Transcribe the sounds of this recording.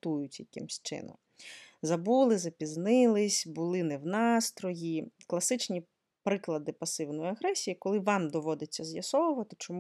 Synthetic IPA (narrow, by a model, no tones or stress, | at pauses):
t̪ujʊt͡sʲjɐkɪ̰msʲt͡ʃɪ̰nɔ̰m | zɐbulˠɪzɐpʲiznɪlˠɪsʲbʊlˠɪnɛwnɑst̪ɾɔjiklˠɐsɪt͡ʃnʲi | pɾɪklˠɐd̪ɪpɐsɪwnɔjiɐɣɾɛsʲijikɔlˠɪʋɑmd̪ɔʋɔd̪et͡sʲːɐzʲjɐsɔwʊʋɐt̪ɪt͡ʃɔmu